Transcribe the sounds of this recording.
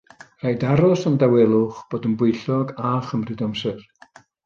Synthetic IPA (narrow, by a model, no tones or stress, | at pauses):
r̥ajdaɾɔsəndawɛlˠʊχb̥oːdənbʊɨɬɔɡaχəmrɨdɔmsɛr